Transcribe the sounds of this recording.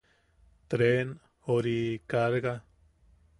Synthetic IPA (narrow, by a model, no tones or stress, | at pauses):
t̪ɾen | oɾikaɾɣa